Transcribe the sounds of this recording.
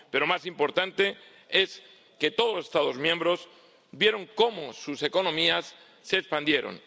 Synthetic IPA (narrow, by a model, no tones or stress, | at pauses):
pe̞ɾomasimpo̞ɾt̪ant̪e̞ | e̞s | ke̞t̪o̞ðosest̪aðo̞zmjẽmbɾo̞s | bje̞ɾo̞ŋko̞mosuse̞ko̞nõ̞miasː | eːkspand̪je̞ɾo̰n